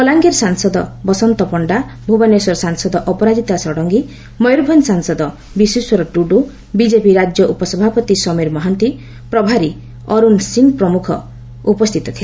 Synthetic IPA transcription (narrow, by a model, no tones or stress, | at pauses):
kɔlaŋɡeɾsaŋsɔd̪ɔbɔsɔnt̪ɔpɔɳɖabʱubanesɔɾɔsaŋsɔd̪ɔʔɔpɔɾad͡ʒit̪asɔɽɔŋɡi | mɔjɾbʱɔnsaŋsɔd̪ɔ | bisuswɔɾɔʈuɖu | bid͡ʒepiɾad͡ʒjɔʔupɔsɔbʱapɔt̪isɔmeɾmɔɦant̪i | pɾɔbʱaɾi | ɔɾunsiŋpɾɔmukʰɔ̰ | upɔst̪ʰit̪ɔt̪ʰile